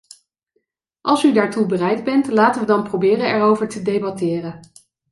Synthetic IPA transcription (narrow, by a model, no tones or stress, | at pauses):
ʔɑlˠsydaːɹtubərɛjdbɛntlaːtənʋədɑnprowbɪːrənɛɹowvəɹtədejbɑtɪːrən